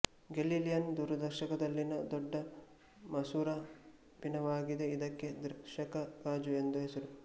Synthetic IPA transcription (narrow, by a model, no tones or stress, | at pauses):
ɡeliːlijɐnd̪uːɾɐd̪ɐɾʃɐkɐd̪ɐlːinɐd̪ɔɖːɐ | mɐsuːɾɐ | binɐʋaːɡid̪e̞id̪ɐkːe̞d̪ɾiʃɐkɐkaːd͡ʒue̞nd̪uɦesɐɾu